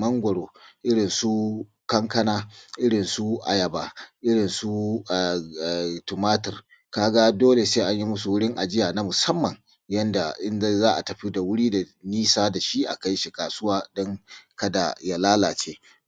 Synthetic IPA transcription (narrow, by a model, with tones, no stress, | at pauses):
mɐ˦ŋɡʷɔ˨ɽoː˨ʔɪ˦ɽɪ˨nsu˦ | kɐ˦ŋkɐ˦naː˦ʔɪ˦ɽɪ˨nsu˦ʔa̰˨jɐ˨baː˨ʔɪ˦ɽɪ˨nsu˦˨ | tʊ˨maː˦tɪ˨r | kaː˦ɡa˦doː˦le˨seː˦ʔa˦ɲji˦mʊ˦s̬u˨wʊ˦ɽɪ˦ŋʔa˨d͡ʒɪ˦jaː˨na˦mʊ˨sɐ˦mːɐ˨ŋ | jɐ˦nda̰˨ʔɪ˦n˦zaː˦ʔa˨tɐ˨ɸi˦da˨wʊ˦ɽiː˦da˨niː˦saː˦da˨ʃi˦ʔa̰˨ka˦jʃi˨kaː˨sʊ˦waː˦dɔ˦ŋkɐ˦da̰˨ja˦laː˦laː˨t͡ʃeː˦